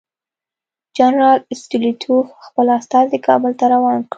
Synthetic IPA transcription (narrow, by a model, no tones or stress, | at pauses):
d͡ʒanɾɑlɪst̪ɪlit̪ʰufxpəlast̪ɑzikɑbəlt̪aɾawɑnkɽ